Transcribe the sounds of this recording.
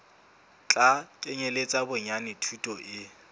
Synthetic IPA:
t͡ɬʼakʼɪɲelet͡sʼabʊɲanɪtʰwutʼɔʔɪ

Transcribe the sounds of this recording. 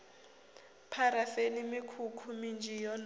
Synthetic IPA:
pʰaɾafenimikʰukʰumind͡ʒʱijɔn

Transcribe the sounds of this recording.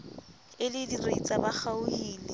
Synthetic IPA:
ɪlɪdiret͡sʼabaχaʊhiːlɪ

